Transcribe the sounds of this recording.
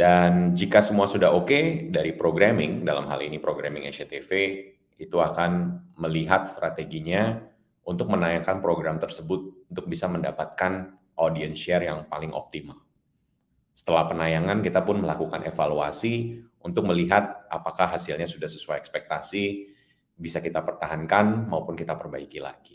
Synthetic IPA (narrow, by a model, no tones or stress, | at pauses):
dand͡ʒikasəmuasudaɦokedaɾipɾoɡɾamɪŋdala̰mɦa̰lḭnipɾoɡɾa̰mɪŋɛset̪efe | it̪uakanməliɦat̪̚st̪ɾat̪eɡiɲa | unt̪ʊk̚mənajaŋkanpɾoɡɾamt̪ərsəbʊt̪̚unt̪ʊk̚bisaməndapat̪̚kan | ʔodiənsʃɛrjaŋpalɪŋʔɔ̰p̚t̪imal | sə̥t̪əlahpənajaŋankit̪apʊnməlakukanʔefalua̰siunt̪ʊk̚məliɦat̪̚ʔapakahɦasilɲasudahsə̥suajɛkspɛk̚t̪asi | bisakit̪apərt̪aɦankanmaupʊnkit̪apərbaikila̰ɡi